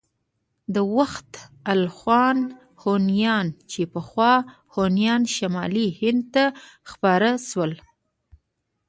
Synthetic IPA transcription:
d̪əwaxt̪alxwɑn | honjɑnt͡ʃepəxwɑ | honjɑnʃamɑlihɪnd̪̚t̪axpɑɾaʃwəl

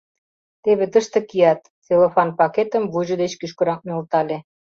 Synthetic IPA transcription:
t̪eβĕt̪əʃt̪ə̆kiɑt̪ | t͡selofɑnpɑket̪ə̆mβuʑə̆d̪et͡ɕkyʃkɤ̆ɾɑk̚nolt̪ɑlʲe

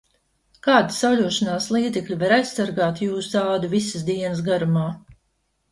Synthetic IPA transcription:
kaːd̪isawlʲuɔʃanaːslˠiːd̪zɛkʎʲuvaɾajssːaɾɡaːt̪juːsd̪aːd̪uvisɨsd̪iɛnəs̬ɡaɾumaː

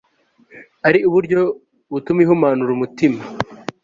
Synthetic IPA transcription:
aɾiuβuɾɟo̞ | βutumiɦumaːnuɾumutima

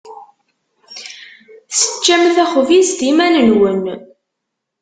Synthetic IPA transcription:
θsə̥t͡ʃːæmθæχvist̪imænənwən

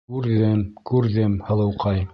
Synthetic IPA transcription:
ʉɾðɘmkʉɾðɘmhɤ̆lˠɤ̆wqɑj

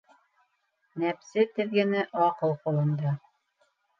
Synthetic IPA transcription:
næpsɘt̪ɘ̆ðɡɘ̆nɘʔɑqɤlˠqulˠɤ̆nd̪ɑ

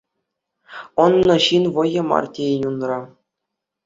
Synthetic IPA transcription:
ŏnːɤ̆ɕinʋɤ̆jɤ̆mɑ̰rtʲeinʲunrɑ

